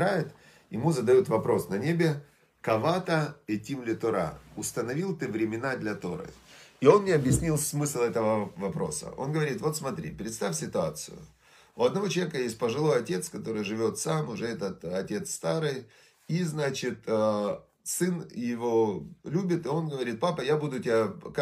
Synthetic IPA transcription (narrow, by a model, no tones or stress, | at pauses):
ɾajɪt̪ | jɪmuzəd̪ɐjut̪vɐpɾo̞snɐnʲebʲɪ | kɐvat̪əɛtʲimlʲɪt̪ʊɾa̰ʊst̪ənɐvʲilˠt̪ɨvɾʲɪmʲɪnad̪lʲɐt̪o̞̰ɾɨ̰ɪo̞nnʲɪɐbjɪsʲnʲilˠsmɨsʲlˠɛt̪əvəvɐpɾo̞̰sə̰ʔo̞̰nɡəvɐɾʲit̪vo̞t̪smɐt̪ɾʲḭpɾʲɪt̪st̪afʲsʲɪt̪ʊat̪sɨ̰jʊ̰ | ʊɐd̪nɐvoəvʲekəjesʲt̚ʲpəʐɨlˠo̞jɐtʲe̞t̪skɐt̪o̞ɾɨjʐɨvʲo̞t̪samʊʐɛɛt̪ət̪ɐtʲe̞t̪st̪aɾɨj | iznat͡ɕɪt̪ə | sɨnjɪvo̞lʲubʲɪt̪ɨo̞nɡəvɐɾʲit̪̚papəjabud̪ʊtʲɪak